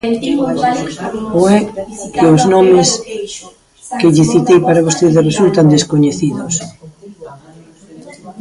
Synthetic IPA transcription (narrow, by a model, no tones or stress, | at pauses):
oɛkeʊznɔmɪs | kɪʎɪθit̪ejpaɾaβ̞ost̪eðɪresult̪and̪eskoɲeθiðʊs